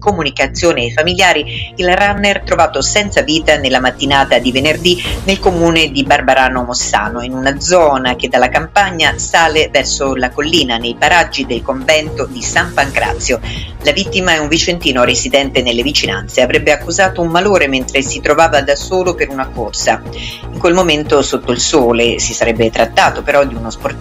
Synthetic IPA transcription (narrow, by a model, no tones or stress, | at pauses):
komunikat̪sːjoːneːfamiljaːɾiilranːert̪ɾovaːt̪osɛnt̪saviːt̪anelːamat̪ːinaːt̪ad̪ivenerd̪inelkomuːned̪ibarbaɾaːnomosːa̰ːnoinunad̪zɔːnak̟ed̪alːakampaɲːasaːlevɛrsolakolːiːnanejpaɾad͡ʒːid̪elkoɱvɛnt̪od̪isampaŋkɾa̰t̪sːjolavit̪ːimaɛuɱvit͡ʃent̪iːnoɾezid̪ɛnt̪enelːevit͡ʃinant̪seavɾɛbːeakːuzaːt̪oummaloːɾement̪ɾesit̪ɾovaːvad̪asoːlopeɾunakorsa | iŋkwelmoment̪osot̪ːoilsoːlesisaɾɛbːet̪ɾat̪ːaːt̪opeɾɔd̪iunospor